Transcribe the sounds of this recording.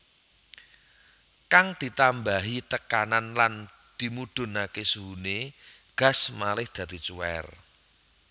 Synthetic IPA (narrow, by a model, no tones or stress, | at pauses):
kaŋd̪̥i̤t̪ambaɦit̪əkananlan | d̪̥i̤mud̪̥ʊ̤nakesuɦuneɡ̥a̤smalɪhd̪̥ä̤d̪̥i̤t͡ʃuɛ̰r